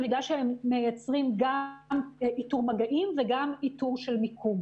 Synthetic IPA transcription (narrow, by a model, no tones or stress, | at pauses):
midaʃehemːejat͡sʁimɡamʔituʁmaɡaʔimveɡamituʁʃelmikʰum